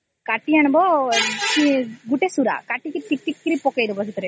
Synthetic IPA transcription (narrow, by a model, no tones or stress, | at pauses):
kaʈːianɐbɔkiɡuʈesuɾa̰kaʈːik̪iʈ̪iʈːikːiɾipɔkejd̪ubɔsit̪ɔɾe